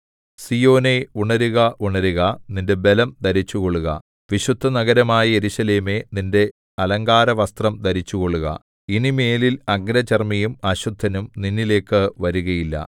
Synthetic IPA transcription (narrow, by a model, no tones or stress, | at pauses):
sijo̞ːne̞uɳɐɾuɣɐuɳɐɾuɣɐninde̞be̞lɐmd̪ɐɾit͡ɕːuɣo̞ɭuɣɐ̰ | ʋiɕud̪ʱːɐnɐɣɐɾɐmaːjɐe̞ɾuɕɐle̞ːme̞ninde̞ | ɐlɐŋɡaːɾɐʋɐst̪rɐmd̪ɐɾit͡ɕːuɣo̞ɭːuɣɐ̰ | inime̞ːlilɐɡnɐt͡ɕermɐjumɐɕud̪ʱːɐnumninːile̞ːkːɨʋɐɾuɣɐjilːɐ̰